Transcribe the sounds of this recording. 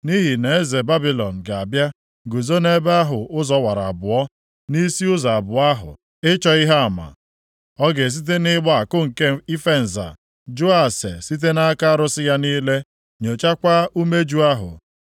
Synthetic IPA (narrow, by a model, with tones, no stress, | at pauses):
ni˦ɦi˨ne˨e˦ze˨ba˦bi˦lɔ˨n̩˨ɡa˨a˨bja˦ | ɡu˨zo˦ne˦be˦a˦ɦʊ˨ʊ˦zɔ˦wa˨ɾa̰˨a˨bʊ˨ɔ˦ | ni˦si˦ʊ˦za˨a˨bʊ˨a˦ɦʊ̰˨ | ɪ˦t͡ʃɔ˨i˦ɦa˦a˨ma̰˨ | ɔ˦ɡe˨s̬i˦t̬e˦nɪ˦ɡ͡bɔ˦a˨kʊ˦ŋ̩˨ke˦i˦fe˦n̩˨za̰˨ | d͡ʒʊ˦a˨sḛ˨si˦t̬e˦na˦ka˦ɾʊ˦sɪ˦ja˦niː˦le˦ | ɲo˨t͡ʃa˦kʷa˦u˦me˦d͡ʒu˦a˦ɦʊ̰˨